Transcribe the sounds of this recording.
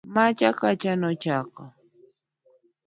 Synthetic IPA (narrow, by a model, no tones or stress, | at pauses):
mat͡ʃakat͡ʃanot͡ʃaka